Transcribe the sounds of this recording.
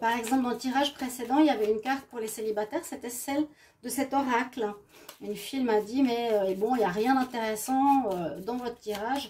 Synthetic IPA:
paʁɛɡzɑ̃pld̪ɑ̃lət̪iʁaʒpχesed̪ɑ̃iljavɛynkaʁt̪̚puʁleselibat̪ɛːʁset̪ɛsɛl | d̪əsɛt̪ɔʁakl | ynfilmad̪imɛøebɔ̃iljaʁjɛ̃d̪ɛ̃t̪eʁɛsɑ̃ød̪ɑ̃vɔt̪χət̪iʁaʒ

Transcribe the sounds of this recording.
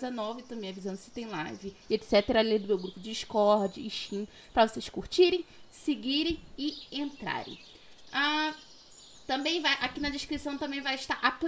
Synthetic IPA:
zenɔvɪt̪ɐ̃bẽj̃avizɐ̃nd̪ʊsɪ̥t̪ẽj̃lajvɪet͡ʃ̪ɪ̥sɛt̪eɾɐalẽjd̪ʊmewɡɾupʊd͡ʒɪd͡ʒiʃkɔɾd͡ʒɪːʃĩ | pɾɐvosejʃskuɾt͡ʃiɾẽj̃sɪɡiɾẽj̃ɪẽnt̪ɾa̰ɾḛ̃j̃ | a | t̪ɐ̃mbẽj̃vajʔakinɐd͡ʒɪʃkɾisɐ̃w̃t̪ɐ̃mbẽj̃vajɪʃt̪aɾʔapl

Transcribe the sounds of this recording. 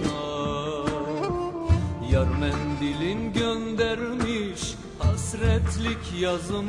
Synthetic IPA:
jaɾmɛnd̪ilʲinɟønd̪æɾmiʃ | hasɾɛt̪lʲicjazɯm

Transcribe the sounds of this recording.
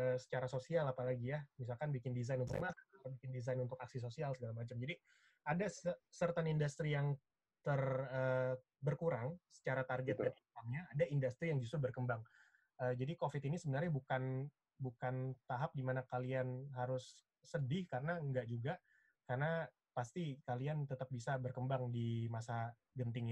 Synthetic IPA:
əsə̥t͡ʃaɾasosialapalaɡijahmis̬alkanbikɪndizajnunt̪ʊkmasaaabikɪndizajnunt̪ʊkaksis̬osialsəɡalamat͡ʃamd͡ʒadi | adasəsərt̪anindust̪ɾijaŋ | t̪ərəː | bərkuɾaŋsə̥t͡ʃaɾat̪arɡɛt̪ɡanitaŋɲaːdaindust̪ɾijaŋd͡ʒus̬t̪ɾʊbərkəmbaŋ | əːd͡ʒadikofɪt̪inisəbənarɲabukan | bukant̪aɦap̚dimanakalianɦaɾʊsː | ədɪhkarənaəŋɡaʔd͡ʒuɡa | karna | past̪ikaliant̪ət̪ap̚bisabərkəmbaŋdimasa | ɡənt̪ɪŋ

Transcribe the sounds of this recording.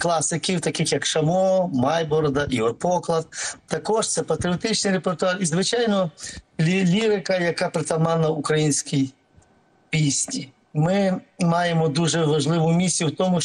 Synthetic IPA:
klˠasɪkʲiwt̪ɐkɪxjɐkʃɐmɔmajbɔɾd̪ɐʔiɐpɔklˠɐt̪̚t̪ɐkɔʃt̪sɛpɐt̪ɾʲɪɔt̪ɪt͡ʃnɪjɾepert̪ʊɑrizʋɪt͡ʃajnɔlʲilʲiɾɪkɐjɐkapɾɪt̪ɐmanɐukɾɐjinʲsʲkʲij | pʲisʲnʲi | mɪmɑjemɔd̪uʒɛʋɐʒlˠɪʋʊmʲisʲijuwt̪ɔmʊ

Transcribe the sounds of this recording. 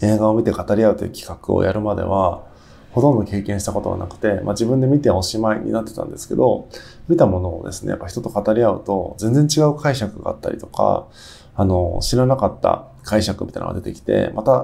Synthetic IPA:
e̞ːɡaomʲit̪e̞kat̪aɾʲiaɯ̟t̪ojɯːkʲi̥kakɯ̟o̰jaɾɯ̟mad̪e̞̰β̞a | ho̞t̪õ̞nd̪o̞ke̞ːkẽ̞ɰ̃ɕit̪ako̞t̪o̞βa̰na̰kɯ̟̥t̪e̞mʔad͡ʑibɯ̟̃nd̪e̞mʲit̪e̞oɕimaiɲ̟ḭnat̪ːe̞t̪ã̰nd̪e̞sɨ̥ked̪o̞ | mʲit̪amo̞no̞̰ːd̪e̞sɨ̥ne̞̰ja̰pːaçi̥t̪o̞t̪okat̪aɾʲiaɯ̟̰t̪o̞zẽ̞nd͡zẽɲ̟t͡ɕiɡaɯ̟kʰaiɕakɯ̟ɡa̰ːt̪ːa̰ɾʲit̪o̞ka̰ | ano̞ɕiɾanakat̪ːa̰ | kʰaiɕakɯ̟mʲit̪a̰ḭna̰ad̪et̪e̞kʲi̥t̪e̞̰mʔat̪a

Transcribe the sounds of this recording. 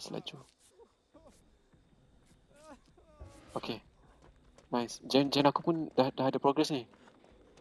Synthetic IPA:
sla̰d͡ʒu | okʰe | najsd͡ʒɛnd͡ʒɛnakupʊndadaɦadapɾoɡɾɛsni

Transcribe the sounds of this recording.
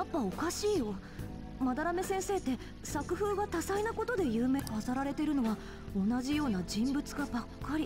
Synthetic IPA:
japːao̞kaɕiːjo̞ | mad̪aɾame̞sẽ̞ɰ̃se̞ːt̪ːe̞ | sakɯ̟ɸɯ̟ːɡat̪asainako̞t̪o̞d̪e̞jɯːme̞ːkasaɾaɾe̞t̪e̞ɾɯ̟no̞βa | o̞naʑijo̞ːnad͡ʑĩmbɯ̟t͡sɨɡabakːaɾʲi

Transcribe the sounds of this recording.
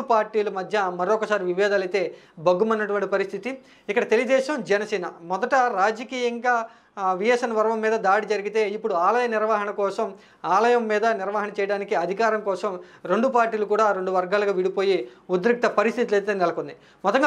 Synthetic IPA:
upaːɾʈiːlɐmɐd̪ʱjɐmɐɾɔkːɐsaːɾiʋiʋɛːd̪alɐjt̪e̞ːbɐɡːumɐnːɐʈuʋɐɳʈipɐɾist̪ʰit̪i | ikːɐɽɐt̪eliɡɐd̪ɛːʃɐmd͡ʒɛnɐsɛːnɐ̰mɔd̪ɐʈɐɾaːd͡ʒɐkiːjɐŋɡaː | ʋijesɐnɐʋɐɾɐʋɐmːiːd̪ɐd̪aːɽid͡ʒɐɾiɡit̪e̞ːipːuɽuaːlɐjɐniɾʋaːɦɐɳɐkɔːsɐm | aːlɐjɐmːiːd̪ɐniɾʋaːɦɐnɐt͡ʃɛːjɐɽaːnikiɐd̪ʱikaːɾɐmkɔːsɐmɾe̞ɳɖupaːɾʈːiːlukuːɽaːɾe̞ɳɖuʋɐɾɡaːlɐɡaːʋiɽipo̞ːjiud̪ɾik̚t̪ɐpɐɾist̪ʰit̪̬ilɐjt̪e̞ːnɛlɐkond̪i | mɔt̪ːɐŋɡ

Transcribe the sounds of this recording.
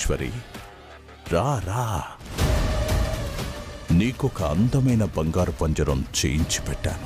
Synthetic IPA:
ʃʋɐɾḭ | ɾaːɾaː | niːkɔkɐɐnd̪ɐmɐjnɐbɐŋɡaːɾupɐɲd͡ʒɐɾɐmt͡ʃḛjiɲt͡ʃi̥pɛʈːa̰ːnu

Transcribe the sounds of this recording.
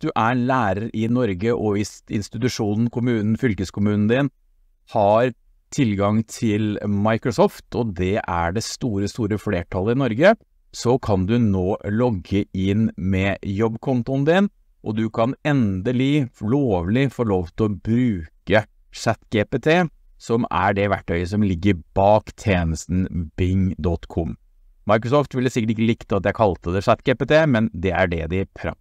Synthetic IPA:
d̪̥ʉʔæɾlæːɾəɾʔɪnɔɾɡəʔɔʋɪsɪ̰nst̪ɪt̪ʉʂuːnn̩kʰʊmʉːnn̩fʏlkəskʰʊmʉːnn̩d̪ɪn | hɑɾ | t̪ʰɪlɡɑŋt̪ʰɪlmɑɪkɾʊsɔːft̪ʰɔd̪ɛʔæ̰ɖɛst̪uːɾəst̪uːɾəfleːʈʰɑlːəɪnɔɾɡə | sɔkʰɑnd̪ʉnoːlɔɡːəɪnmɛjɔbːkʰɔnt̪ʊnd̪ɪn | ʔɔd̪ʉkʰɑnɛnd̪əlɪfɭoːʋlɪfɔɭoːʋt̪ʰɪlɔbɾʉːkə | ʂæt̪ɡepet̪ʰeː | sɔmæ̰ɖɛʋæʈːœʏəs̬ɔmlɪɡːəɾb̥ɑːkt̪ʰeːnəst̪n̩bɪŋd̪ɔt̪kʰɔm | mɑɪkɾʊsɔːft̪ʋɪld̪ɛsɪkːəʈɪkːəlɪkt̪əɑt̪̚d̪ɛæɾkʰɑlt̪əd̪ɛʂæt̪ɡeːpɛt̪ʰeːmɛnd̪ɛæ̰ɖɛd̪ɪpʰɾɑ̰

